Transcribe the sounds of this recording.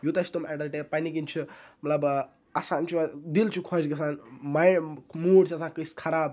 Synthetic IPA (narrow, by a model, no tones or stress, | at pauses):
jut̪ɐt͡ʃʰit̪omaɖɐlʈepanik̬int͡ʃʰimɐt̪lɐb | asaːnt͡ʃʰud̪ilt͡ʃʰukʰɔd͡ʒɡʲɐsaːnmajmuːɽt͡ʃʰiɐsaːnkəskʰɐɾaːb